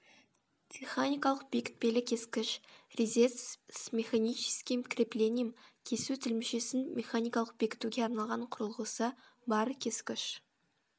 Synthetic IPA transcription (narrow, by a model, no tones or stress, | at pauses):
t̪ʲʰiχanʲijkɑlˠəq̚b̥ekʲɪ̥t̪̚pe̞lɪkʲʰe̞skʲɪʃrʲizʲesmʲe̞χanʲijt͡ʃi̥skʲijmkʲʰɪɾʲeple̞nʲijəmkʲʰe̞sut̪ʰɪlmɪʃe̞sɪnmʲʔe̞χanʲijkɑlˠəq̚b̥e̞kʲɪ̥t̪uɡʲeɑɾnɑlˠʁɑɴqʰʊɾəlˠʁəsəbɑɾəkʲʰe̞skʲɪʃ